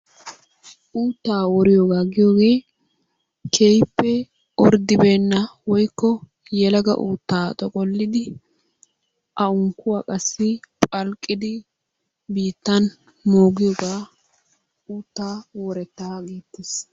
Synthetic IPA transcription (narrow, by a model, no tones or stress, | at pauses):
ʔuːt̪ːaːwɔɾɪjoːɡaːɡɪjoːɡe̞ː | kʰejpːɛ | ɔɾd̪ɪbeːnːɐwɔjkːɔ | jɛlɐɡɐ̰ʔuːt̪ːaːt̪ʼɔkʼɔlːɪd̪ɪ | ʔɐʊŋkːʊwaːkʼɐsːɪpʼɐlkʼːɪd̪ɪ | biːt̪ːɐn | moːɡɪjɔːɡaː | uːt̪ːaːwɔɾɛt̪ːaːɡiːt̪ːes